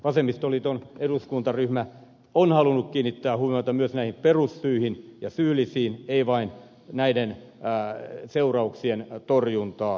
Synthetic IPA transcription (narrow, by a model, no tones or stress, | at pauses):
ʋɑsemist̪olit̪oneduskunt̪ɑryhmæ | onhɑlunukkiːnːit̪ːæːhuʋimɑt̪ɑmyøsnæihimperusːyihinjɑsyːlisiːneiʋɑin | næiden | seurɑuksient̪orjunt̪ɑː